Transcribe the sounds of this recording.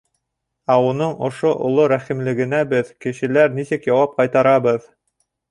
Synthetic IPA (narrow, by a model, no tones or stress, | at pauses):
æunɤɴŏʃoʔŏ̰lˠoɾæχimlɘ̆ɡɘ̆næbɘðkɘ̆ʃɘ̆læɾnisɘkjɑwɑp̚qɑjt̪ɑɾɑβɤð